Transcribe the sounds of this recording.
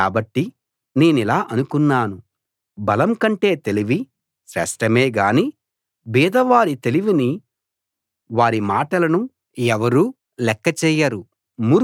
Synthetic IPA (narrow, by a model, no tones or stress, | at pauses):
aːbɐʈːi | ne̞ːnilaːʔɐnukunːaːnu | bɐlɐmkɐɳʈe̞ːt̪e̞liʋi | ʃɾɛ̰ːʂʈɐme̞ːɡaːni | biːd̪ɐʋaːɾit̪e̞liʋini | ʋaːɾimaːʈɐlɐnu | ɛʋɐɾuː | lɛkːɐt͡ʃɛːjaɾu | mu